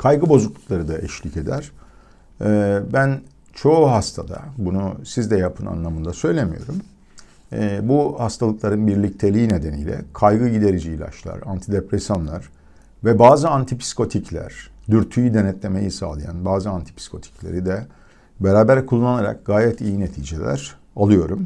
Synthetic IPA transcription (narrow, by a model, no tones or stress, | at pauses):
kʰajɡɯbo̞zuklˠuklˠaɾɯd̪aʔɛʃlʲice̞d̪æɾ̥ː | bæn | t͡ʃʰo̞uɦast̪ʰad̪a̰bunusizd̪ɛjapʰɯna̰nlˠamɯnd̪asø̞jlʲemḭjo̞̰ɾumː | buhast̪ʰalˠɯklˠaɾɯnbiɾlʲic̚t̪ʰelʲiːne̞d̪enḭjlʲɛ̰kʰajɡɯɟid̪e̞ɾid͡ʒiːlʲa̰ʃlˠa̰ɾant̪ʰid̪epɾesjonlˠa̰ɾ̥ | vɛbaːzɯant̪ʰipʰi̥sko̞t̪ʰiclʲæ̰ɾ̥d̪yɾt̪ʰyjyd̪e̞nɛt̪lʲe̞me̞jisa̰ːlˠaja̰nbaːzɯant̪ʰi̥pʰi̥skʰo̞t̪ʰi̥clʲe̞ɾid̪ɛ | beɾaːbæɾkʰulˠːanaɾa̰k̚ɡaːjɛt̪ijinet̪ʰiːd͡ʒelʲæ̰ɾ̥ | alˠɯjo̞ɾum